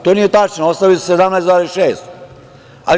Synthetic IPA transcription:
t̪onijet̪at͡ʃnoost̪aʋissed̪amnaesaːɾiiʃeːst̪ | a̰l

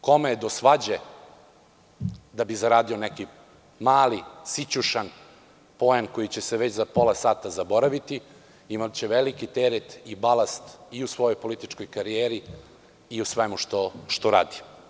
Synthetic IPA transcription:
ko̞meed̪osʋad͡ʑe | d̪abizaɾaːd̪io̞neki | maːlisit͡ɕuʃan | po̞enkojit͡ɕeseʋet͡ɕzapo̞lˠasaːt̪azabo̞ɾaʋit̪i | imat͡ɕeʋelikit̪eɾet̪ibalast̪iusʋo̞jo̞jpo̞lit̪it͡ʃko̞jkaɾijeɾiː | usʋemuʃt̪oʃt̪oɾa̰ːd̪i̥

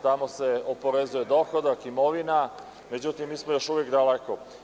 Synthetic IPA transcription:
t̪amo̞se̞opo̞ɾezuje̞d̪o̞ːxod̪akimo̞ʋina | me̞d͡ʑut̪imːiːsmojo̞ʃuʋekd̪aleko

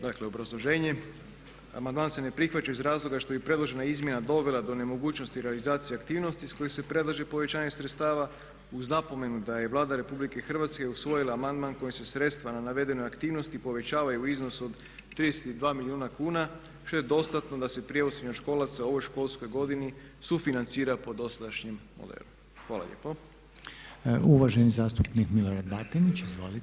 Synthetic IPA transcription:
d̪akleo̞bɾazlˠo̞ʒe̞ːɲe̞ | a̰mand̪maːnse̞ne̞pɾixʋat͡ɕaizɾaːzlˠo̞ɡaʃt̪o̞bipɾe̞d̪lˠo̞ʒe̞naizmje̞nad̪o̞ʋe̞lˠad̪o̞ne̞mo̞ɡuːt͡ʃno̞st̪iɾe̞alizaːt̪sijeakt̪iːʋno̞st̪isko̞jesepɾe̞d̪lˠaʒe̞po̞ʋe̞t͡ɕaːɲesɾet̪st̪aːʋa | uznapo̞me̞nud̪aje̞ʋlˠaːd̪aɾe̞publike̞xr̩ʋat̪skeusʋo̞jilˠaːmand̪manko̞jese̞sɾe̞t̪st̪ʋananaʋe̞d̪e̞no̞jakt̪iːʋno̞st̪ipo̞ʋe̞t͡ɕaːʋajuizno̞so̞d̪ | t̪ːɾid̪ese̥t̪id̪ʋaːmiliuːnakuːna | ʃt̪oje̞d̪o̞st̪at̪no̞d̪ase̞pɾije̞useɲoʃko̞ːlat̪sao̞ʋo̞jʃko̞lˠsko̞jɡo̞d̪ini | sufinant̪siːɾapo̞d̪o̞sad̪aʃɲimmo̰d̪ḛːlum | xʋaːlˠa̰ʎḛːpo | uʋaʒenizaːst̪upnikmiloɾad̪bat̪init͡ʃizʋo̰lit̪

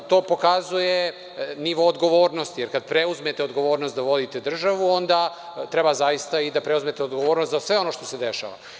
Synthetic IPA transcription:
t̪o̞ːpo̞kazuje | niʋoːd̪ɡo̞ʋo̞ːɾnost̪ijeɾkad̪̚pɾeuzmet̪eod̪ɡo̞ʋo̞ːɾnost̪d̪aʋo̞d̪it̪ed̪r̩ʒaʋuo̞nd̪a | t̪ɾebazajist̪aid̪apɾeuzmet̪eod̪ɡoʋoːɾnost̪zasʋe̞o̞no̞ʃt̪o̞sed̪eʃa̰ʋa̰

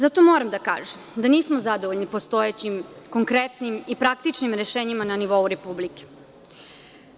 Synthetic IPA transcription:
zat̪o̞moːɾamd̪aka̰ːʒemd̪aniːsmozad̪oʋoʎnipo̞st̪o̞et͡ɕimko̞ŋkɾet̪nimipɾak̚t̪it͡ʃnimɾeʃeːɲimananiʋo̞uɾepublike̥

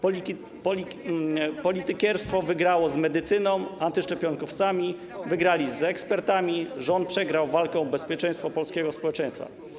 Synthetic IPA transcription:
p | pɔlʲit̪ɘkɛɾst̪fɔvɘɡɾawɔzmɛd̪ɘt̪sɘnɔ̃w̃ant̪ɘʂt͡ʂɛpʲjɔŋkɔft̪samʲi | vɘɡɾalʲizɛkspɛɾt̪amʲiʐɔnt̪̚pʂɛɡɾawvalkɔ̃w̃bɛspʲjɛt͡ʂɛjst̪fɔpɔlskʲɛɡɔspɔwɛt͡ʂɛj̃st̪fa̰

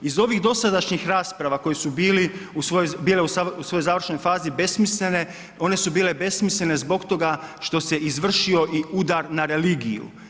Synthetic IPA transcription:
izo̞ʋiɣd̪o̞sad̪aʃɲixɾaːspɾaʋako̞jesubiːliusojbiːleusausʋo̞jojzaːʋr̩ʃno̞jfaːzibe̞smislʲene̞ | o̞ne̞subiːle̞be̞smisʎʲene̞zbo̞kt̪o̞ɡaʃt̪o̞seizʋr̩ʃio̞ʔiud̪aɾnaɾe̞liːɡijṵ

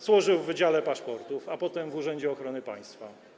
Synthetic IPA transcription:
zwɔʐɘwvːɘd͡ʑalɛpaʂpɔɾt̪ufapɔt̪ɛmvuʐɛɲd͡ʑɛɔxɾɔnɘpaj̃st̪fa

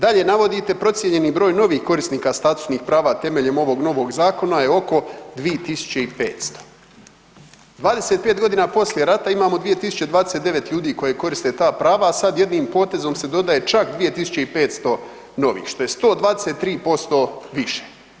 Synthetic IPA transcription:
d̪aʎe̞naʋo̞d̪it̪e̞pɾo̞t̪sʲje̞ɲe̞niːbɾo̞ːjno̞ʋiːxko̞ɾisniːkast̪aːt̪u̥sniːxpɾaːʋat̪e̞me̞ʎe̞mo̞ʋo̞ɡno̞ʋo̞ɡzaːko̞najeo̞ko̞d̪ʋiet̪isu̥t͡ɕeipe̞̰ːt̪st̪o̥ | d̪ʋaːd̪eset̪̚pe̞ːt̪ɡo̞d̪iːnapo̞slʲje̞ɾat̪aimaːmod̪ʋije̞t̪isu̥t͡ɕe̞d̪ʋaːd̪eset̪d̪e̞ʋe̞t̪ʎuːd̪iːko̞jeko̞ɾist̪et̪aːpɾaːʋaːsad̪je̞d̪niːmpo̞ːt̪e̞zo̞mse̞d̪o̞d̪aje̞t͡ʃakd̪ʋije̞t̪isu̥t͡ɕe̞ipe̞ːt̪st̪o̞ | no̞ʋḭːxʃt̪o̞je̞st̪o̞ːd̪ʋaːd̪ese̞t̪ːɾiːpo̞st̪o̞ʋiʃe̥

